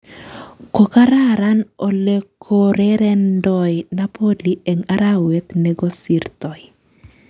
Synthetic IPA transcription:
ko˨ka˦ɾa˦ɾa˦no˨le˦kʰo˦ɾɛɾɛ˦ndɔjnapʰo˦li˦e˨ŋa˦ɾa˦we˦t̪neɡo˦si˨ɾt̪ɔ˨j

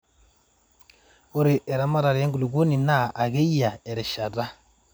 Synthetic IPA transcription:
u˦ɾi˨ʔɛ˨ɾa˦ma˦ɾa˨ɾe˦ŋɡu˨lu˨ɡu˦ni˨na˦˨a˨ɣe˦i˦ja˨ɛ˨ɾɛ˨ʃa˨da˦

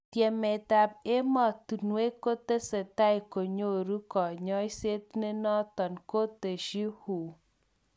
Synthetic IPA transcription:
t̪jɛ˨me˨t̪a˨p̚e˦mɔ˨t̪u˨nwe˦ko˦t̪e˦sɛ˨t̪a˦jko˨ɲo˦˨ɾu˦kɔ˨ɲɔ˦jse˦t̪̚ne˦nɔ˦t̪ɔ˨nko˦t̪e˨ʃi˦hu˨

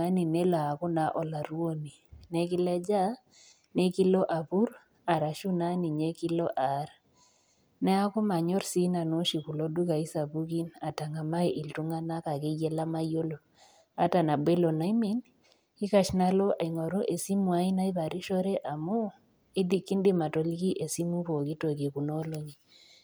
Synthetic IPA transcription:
a˦ni˨ne˦la˨a˨ko˦na˨˦ʔɔ˨la˨ɾwo˦ni˨nɛ˦kɪ˦lɛ˦d͡ʒa˦ | ne˦ki˦lɔ˦ʔa˨βu˦ɾ | a˨ɾa˨ʃu˦na˦ni˨ɲe˦ki˦lɔ˦ʔa˨˦ɾa˨ | nɛ˦a˦ko˦ma˨ɲɔ˦ɾsi˦na˨no˦ʃi˨ku˨lo˦du˦ka˨i˦sa˨βu˦ki˦na˨ta˨ŋa˨ma˦i˦ʔi˨ltu˦ŋa˦na˦ka˨ke˦jɛ˦la˦ma˦jo˦lo˨ | a˦ta˨na˨be˦lo˨na˨˦i˦me˦˨n | i˦ka˨ʃna˦lɔ˦ʔa˨i˨ŋɔ˨ɾo˦ʔe˨si˦mwa˦i˦na˦i˦βa˨ɾi˦ʃɔ˦ɾɛ˦ʔa˨mo˦ | e˦di˦kːi˦ndi˦ma˨to˦lki˦ʔe˨si˦mu˦βo˨ki˦to˨ki˨ku˨no˦lo˨ɲi˨

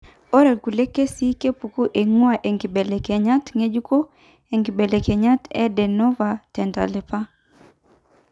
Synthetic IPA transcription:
ɔ˦ɾɛ˨ku˨le˦kːe˦si˦ke˦pu˨ku˦ʔe˨ŋwa˨ʔe˨ŋɡi˨bɛ˨le˨ke˨ɲa˦tŋe˦d͡ʒu˦ko˦ | e˨ŋɡi˨bɛ˨le˨kɛ˨ɲa˦tɛ˦dɛ˨nɔ˦vatɛ˨nta̰˨lɛ˨pa˦

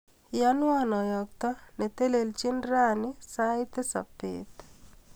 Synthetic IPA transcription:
ja˦nwa˦nɔ˨jɔ˨k̚t̪ɔ˦ne˨t̪e˦le˨lt͡ʃi˦nɾa˦ni˦saɪ˦t̪e˦sa̰˨pḛt̪

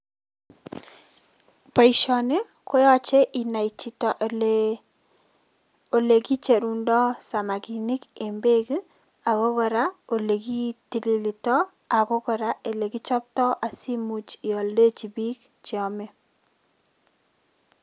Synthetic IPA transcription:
pa˨iʃɔ˨ne˦ | kɔ˦jɔ˦t͡ʃe˦ʔi˨na˨it͡ʃi˦tɔ˨ʔe | o˨le˨ki˦t͡ʃe˨ɾu˨ndɔ˦sa˨ma˨ki˨ni˦ke˨mbe˦ki˦ | a˨ko˦kɔ˨ɾa˦o˨le˨ki˦ti˨li˨li˨tɔ˦ | a˨ko˦kɔ˨ɾa˦ʔe˨le˨ki˦t͡ʃɔ˦p̚tɔ˦ʔa˨si˦mu˨t͡ʃi˨ɔ˨lde˦t͡ʃi˨bi˦kt͡ʃi˨ɔ˨mɛ˦

